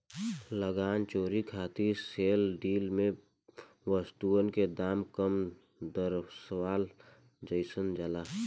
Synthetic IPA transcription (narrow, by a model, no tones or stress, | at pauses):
ləɡaːnt͡ʃoːɾikʰaːt̪iseːlɖiːlmẽ | ʋəst̪uənked̪aːmkəm | d̪əɾsəwaːl | d͡ʒəɪsənd͡ʒəlaː